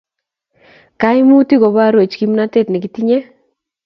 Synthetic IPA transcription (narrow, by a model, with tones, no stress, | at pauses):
ka˦ɪ˦mu˦ti˦ɡɔ˨βa˦ɾwe˨t͡ʃki˦m˦na˦te˦tnɪ˨ki˦ti˦ɲe˦